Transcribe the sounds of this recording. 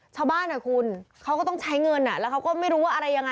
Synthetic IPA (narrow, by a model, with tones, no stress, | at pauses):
t͡ɕʰa˧˩wbaː˥˩nʔa˨˩kʰu˧nkʰa˦˥wkɔː˥˩t̪ɔ˥˩ŋt͡ɕʰa˦˥jŋɤ˧nʔa˨˩lɛː˦˥wkʰa˦˥wkɔː˥˩ma˥˩jɾuː˦˥waː˥˩ʔɾa˧jːa˧ŋa˧